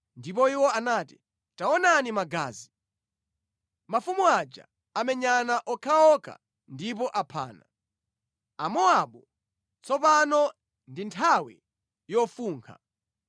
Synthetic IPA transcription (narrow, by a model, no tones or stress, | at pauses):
ndip̬ɔiwɔanaːti | taɔnanimaɡa̰ːzi | mafumuad͡ʒa̰ | amɛɲanaʔɔkʰaɔkʰa̰ | ndip̬ɔʔapʰa̰ːna̰ | amɔaɓu | t͡sɔpanɔ | ndintʰawḭ | jɔfuːŋkʰa̰